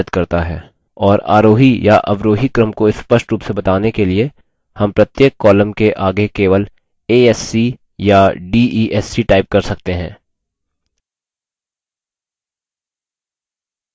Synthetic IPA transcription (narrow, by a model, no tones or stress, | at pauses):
əd̪kɐɾt̪aɦɛ̰ː | ɔːɾa̰ːɾoːɦijaʔɐ̰ʋɾoːɦikɾəmkoɪspəʃʈɾuːpsebɐt̪aːnekelie | hɐ̃mpɾɐt̪jeːkːɔːləmkeʔaːɡekeːʋəl | eːɛːsi | jaɖiːʔiːʔɛːsiʈaːɪp̚kɐɾsɐk̚t̪eɦɛ̰̃ː